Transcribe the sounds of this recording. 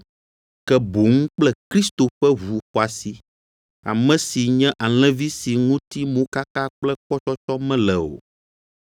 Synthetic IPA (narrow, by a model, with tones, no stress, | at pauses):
kɛ˦bo˨ŋũ˦k͡plɛ˦kɾi˦st̪o˨ɸɛ˦vu˨xɔ˨a˨si˨ | a̰˨mɛ̃˦si˨ɲɛ̃˦ʔa˨l̃ɛ̃˦vi˦si˨ŋũ˦t̪i˦mõ˦ka˦ka˦k͡plɛ˦k͡pɔ˦t͡ʃɔ˦t͡ʃɔ˦mɛ̃˦lɛ˨o̰˨